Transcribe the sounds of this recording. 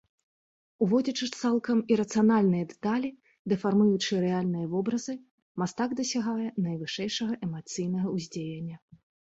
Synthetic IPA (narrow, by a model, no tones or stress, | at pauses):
uvɔd͡zʲɐt͡ʂɨt̪salˠkɐmiɾɐt̪sɨjanalʲnɨjɐd̪ɛ̥t̪alʲi | d̪ɛfarmujut͡ʂɨjɛɾɛalʲnɨjɐvɔbɾɐzɨ | mast̪aɡd̪ɐsʲaɣajɛnɐjvɨʂɛjʂɐɣɐʔɛmat̪sɨjnɐɣɐuzʲd͡zʲejenʲːɐ